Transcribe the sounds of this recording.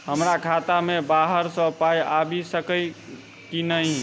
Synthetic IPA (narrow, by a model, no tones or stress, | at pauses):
ɦəmɾakʰat̪amebaɦəɾsə̃pajabisəkə | kinəj